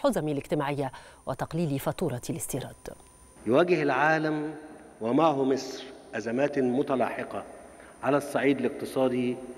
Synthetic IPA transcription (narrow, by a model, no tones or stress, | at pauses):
ħʊzamilɪɡt̪ɪmaːʕɪjːawʔɪt̪ɑqliːlifɑt̪ˤuːɾˤɑlɪst̪iːɾˤɑːd̪̥ | jʊwæːɡɪhɪlʕaːlæmwamaʕhʊmɪsˤɾʔæzæmæːt̪mʊt̪ɑlɑ̰ːħɪqɑʕalæsˤːɑʕiːd̪ɪlɪq̚t̪ɨsˤɑːd̪i